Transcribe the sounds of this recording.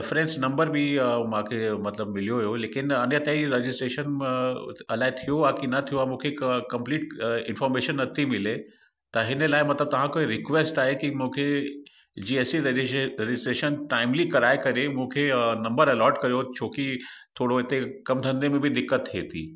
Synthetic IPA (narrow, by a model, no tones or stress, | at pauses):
ɪfɾẽnsnɐ̃mbəɾbʱimãːkʰemɐt̪ləbmɪlijoɦjoleːkɪnɐnjət̪ãiɾed͡ʑɪsʈɾeːʃən | ɐlaːet̪ʰijoakinɐt̪ʰijoamũːkʰekɐ̃mpliːʈ̚ɪ̃nfɔːɾmeːʃənːɐt̪ʰimɪle | t̪ɐɦɪnəlaːɪmɐt̪ləb̚t̪ɐʋ̤ãkoːeɾɪkʋesʈaːɦekimũːkʰe | d͡ʑiːesiɾɪsʈɾeːʃənʈaːɪmlikɐɾaːekɐɾemũːkʰenɐ̃mbəɾɐlɔːɾɖkɐɾjot͡ɕʰoːkit̪ʰoːɽoɪt̪ekɐmd̪ʱɐ̃nd̪emẽbʱid̪ɪkːət̪ɦeːt̪ʰḭː